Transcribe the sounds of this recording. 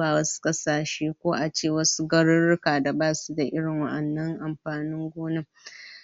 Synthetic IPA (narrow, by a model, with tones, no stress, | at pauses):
aː˨wɐ˦su̥˦kʼɐ˦saː˨ʃeː˦kʷoː˦ʔa˨t͡ʃeː˦˨wɐ˦su˦ɡɐ˦ɽʊ˦ɽɪ˦kaː˨da˨baː˦su˦da˨ʔɪ˦ɽɪ˨ŋwɐ̰˦ʔɐ˨nːɐ˦ŋʔa˨mɸaː˨nɪ˦ŋɡʷoː˦nɪ˦m